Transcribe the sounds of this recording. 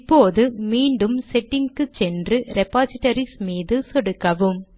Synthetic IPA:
pːoːðɯmiːɳɖɯmsɛʈːɪŋkɯt͡ʃɛndrɯɾɛpːaːsɪʈːɐɾismiːðɯsɔɽɯkːɐʋɯm

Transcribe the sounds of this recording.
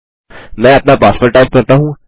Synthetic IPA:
mɛ̃ɐpnapaːspəɾʈaɪmkɐɾt̪aɦũː

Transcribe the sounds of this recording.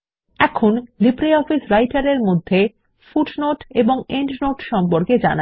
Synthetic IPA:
ɛkʰonlibɾeiɔfisɾajʈaɾeɾmod̪ʱːe | fuʈnoʈeboŋeɳʈnoʈʃɔmpoɾked͡ʑa̰na

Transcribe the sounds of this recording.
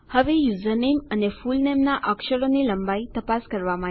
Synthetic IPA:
həʋejuzənemənefulnemnaʔəkʃəɾoniləmbait̪əpaskəɾʋamã

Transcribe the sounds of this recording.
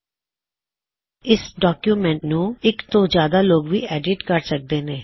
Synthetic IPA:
ɪsɖɔːkjuːmɛ̃ɳʈnũːɪkt̪õːd͡ʒjaːd̪aːloːɡʋḭːɛːɖɪʈkəɾsək̚d̪eːneː

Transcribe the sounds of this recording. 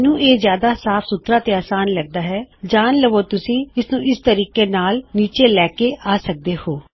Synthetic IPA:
nũːʔeːzjaːd̪asaːfsʊt̪ɾat̪eaːsaːnlɐɡ̚d̪aːɦɛːd͡ʒaːnləʋoːt̪ʊsĩːɪsnũːɪst̪əɾiːkenaːlniːt͡ʃelɛːkeaːsək̚d̪eːhoː

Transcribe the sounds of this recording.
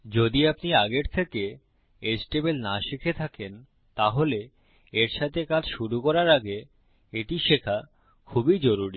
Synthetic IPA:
d͡ʑod̪iapniaɡeɾt̪ʰeke | esʈebelnaʃikʰet̪ʰaken | t̪aɦole | eɾʃat̪ʰekad͡ʑʃuɾukɔɾaɾaɡe | eʈiʃekʰa | kʰubid͡ʑoɾuɾi

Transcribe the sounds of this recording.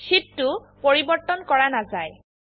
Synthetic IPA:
sittːʊ | poɹibɔɹtɔnkɔɹanazaj

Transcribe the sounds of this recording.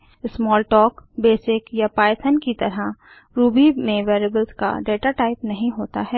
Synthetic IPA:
smɔːlʈɔːkbeːsɪkjapaːɪt̪ʰənkit̪ɐɾa | ɾuːbimẽʋeːɾebəlska̰ɖeːʈaʈaːɪpnɐɦĩɦoːt̪a̰ɦɛː

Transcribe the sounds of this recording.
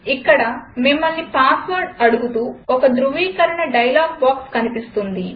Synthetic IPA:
ikːɐɽɐmimːɐlːipaːsʋɐɾɖɐɽuɡut̪uːɔkɐd̪ɾuʋiːkɐɾɐɳɐɖɐjlaːɡ̚baːkskɐnipist̪und̪i

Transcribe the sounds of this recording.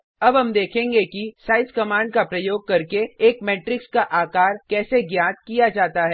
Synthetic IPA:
ɐbɦɐmd̪eːkʰẽːŋɡekisaːɪskɐmãːɳɖ̚kapɾɐjoːɡ̚kɐɾkeːkmeːʈɾɪkskaʔaːkaːɾkɛːseɡjaːt̪̚kijad͡ʒaːt̪aɦɛː

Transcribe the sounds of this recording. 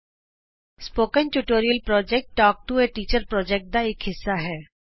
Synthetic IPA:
spoːkə̃nʈuʈoːɾijəlpɾɔːd͡ʒɛk̚ʈːɔːk̚ʈueʈiːt͡ʃəɾpɾɔːd͡ʒɛk̚ʈ̚d̪aeːkɦɪsːaɦɛː

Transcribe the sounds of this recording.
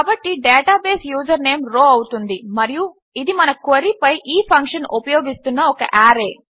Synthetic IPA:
kɐbɐʈːiɖeːʈaːbeːsjuːd͡ʒɐɾne̞ːmɾoːɐwut̪und̪imɐɾiju | id̪imɐnɐkoɾipɐjʔiːpʰɐŋkʂɐnupɐjoːɡist̪unːɐɔkɐ̰ʔaːɾe̞ː

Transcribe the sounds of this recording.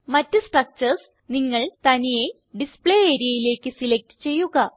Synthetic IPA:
mɐtːɨsʈrɐk̚t͡ɕɐrs | niŋːɐɭt̪ɐnije | ɖispɭeːeːɾijɐjile̞ːkːɨsilek̚tɨ̥t͡ɕe̞jːuɣɐ

